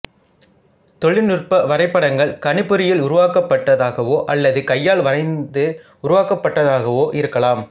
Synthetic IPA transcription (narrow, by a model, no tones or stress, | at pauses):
t̪ɔɭɪnʊrpɐʋɐɾɐɪpːɐɽɐŋɡɐɭkɐnɪpːɯɾɪjɪlʊɾʊʋaːkɐpːɐʈːɐðaːɣɐʋoːʔɐlːɐðɯkɐjːaːɭʋɐɾɐɪnd̪ɯ | ʊɾʊʋaːkɐpːɐʈːɐðaːɣɐʋoːʔɪɾɯkːɐlaːm